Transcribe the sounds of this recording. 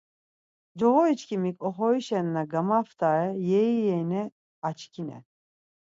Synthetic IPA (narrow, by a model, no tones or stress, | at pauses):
d͡ʒɔɣɔit͡ʃkʰʲimikʲɔɦɔiʃɛnːaɡamaft̪ʰaɾɛjɛijɛnɛ | at͡ʃkʰʲinɛ̰